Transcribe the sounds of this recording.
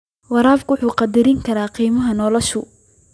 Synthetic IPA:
wɑɾaːfkwʊħuːqɑd̪ɪɾɪŋkʰɐɾaːqiːmɐɦɐnɔːlɔʃʊ

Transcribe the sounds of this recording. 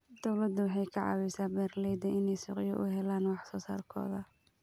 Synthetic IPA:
d̪̥ɔwlɐd̪ːʊwɑħɑjkʰɑʕɑ̰ːwɛsaːbɛːrlɛjd̪ɐʔɪnɛjsʊ̰ːqɪjɔʔʊɦɛlaːnwɑħsɔːsa̰ːlkʰɔ̰ːðɐ

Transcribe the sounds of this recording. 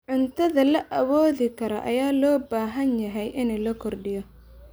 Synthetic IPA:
ʕʊnt̪ʰɐðɐlɐʔɐwɔːðɪkʰɐɾɐʔɐ̰jaːlɔːbaːɦɐnjɐɦɛjʔɪnɛːlɐkʰɔrɖɪjɔ

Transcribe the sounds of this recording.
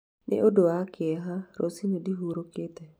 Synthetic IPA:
nʔɪ̰ʔodoakɪɛɦaɾosinodiɦuɾokɪt̪ɛ

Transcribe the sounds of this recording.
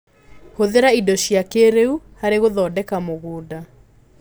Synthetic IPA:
hoðeɾaidoɕjakeɾeuhaɾeɣoðɔːdɛkamoɣoːda

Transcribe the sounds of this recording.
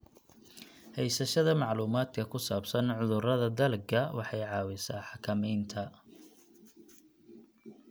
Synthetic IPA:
hɛjsɐʃɐðɐmɑʕluːmaːd̪̥kʰɐkʰʊsaːbsɐnʕʊðʊrɐðɐd̪ɐlɡʰɐwʔɑħɑjʕɑːwɪsaːħɑkʰɐmɛjnt̪ʰɐ

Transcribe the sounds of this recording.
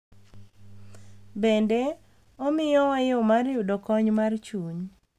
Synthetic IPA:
bende | ɔmɪjɔwajɔmarjʊdɔkɔɲmart͡ʃuɲ

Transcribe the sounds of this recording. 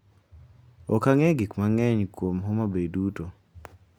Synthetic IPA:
ɔkaŋɛɡikmaŋɛɲkwomɦɔmabeduto

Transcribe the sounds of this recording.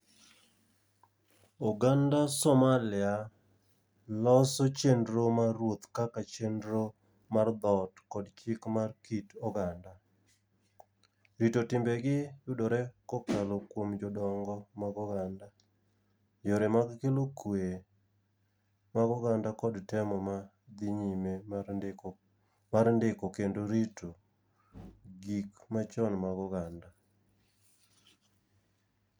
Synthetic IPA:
ɔɡandasɔmalɪa | lɔsot͡ʃendɾomaɾwot̪kakat͡ʃendɾo | mard̪ɔtkɔdt͡ʃɪkmarkitɔɡanda | ɾitotɪmbɛɡɪjʊdoɾɛkɔkalokwomd͡ʒɔdɔŋɡɔmaɡɔɡanda | joɾɛmaɡkelokwe | maɡɔɡandakɔdtɛmɔma | d̪iɲime | maɾndɪkɔkendoɾito | ɡikmat͡ʃɔnmaɡɔɡanda

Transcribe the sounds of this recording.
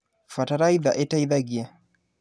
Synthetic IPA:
fataɾaiðaʔɛtaiðaɡia

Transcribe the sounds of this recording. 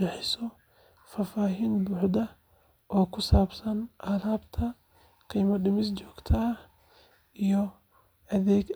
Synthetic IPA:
ɛħɪsɔ | faːfaːɦiːnbuːħd̪ɐ | ʔɔːkʰʊsaːbsɐnʔaːlaːbt̪ʰɐ | qiːmɐɖɪmɪst͡ʃɔːɡ̥t̪ʰɐɐh | ʔijɔ | ʔɐðɛːɡ

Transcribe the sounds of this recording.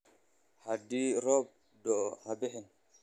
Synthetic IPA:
hadiɾɔb̚ | dɔhabihin

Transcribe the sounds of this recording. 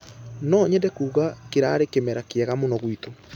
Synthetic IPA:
nɔːɲɛdɛkuːɣakeɾaɾekemɛɾakeɛɣamonɔɣwito

